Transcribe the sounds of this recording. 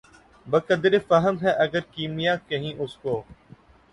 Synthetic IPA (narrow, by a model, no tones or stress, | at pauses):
bəkəd̪ɾefəɦəmɦɛːʔəɡəɾkiːmɪjaːkəɦĩːʔʊskoː